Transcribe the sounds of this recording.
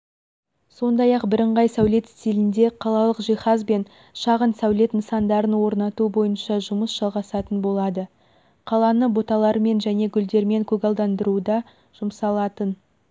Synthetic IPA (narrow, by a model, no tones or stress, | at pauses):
so̞nd̪ɑjɑqbɪɾəɴʁɑjsæwle̞t̪st̪ilɪnd̪e̞qʰɑlˠɑlˠəqʒiχɑzbe̞n | ʃɑʁənsæwle̞t̪nəsɑnd̪ɑɾənwo̞ɾnɑt̪ubo̞jənʃɑʒʊməsʒ̥ɑlˠʁɑsɑt̪ənbo̞lˠɑd̪ə | qʰɑlˠɑnəbo̞t̪ɑlˠɑɾme̞nʒæne̞ɡʲʏld̪e̞ɾme̞ŋkʲʰɵɡɑlˠd̪ɑnd̪əɾud̪ɑ | ʒ̥ʊmsɑlˠɑt̪ən